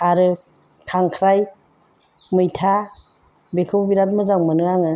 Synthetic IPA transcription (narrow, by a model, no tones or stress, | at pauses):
aɾɯ | kʰaŋkʰɾaj | mɯjtʰa | bekʰɯwbiɾat̚mɯzaŋmɯnɯaŋɯ